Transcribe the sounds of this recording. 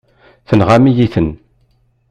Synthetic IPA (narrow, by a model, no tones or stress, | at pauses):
θənʁamijiθən